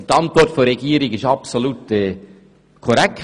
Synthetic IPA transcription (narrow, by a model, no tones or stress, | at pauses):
t̪ɑnt̪ʋɔɾtfɔɾɛɡ̥iːɾɪɡɪʃɑpsoluːt̪ɛ | kʰɔɾɛk̚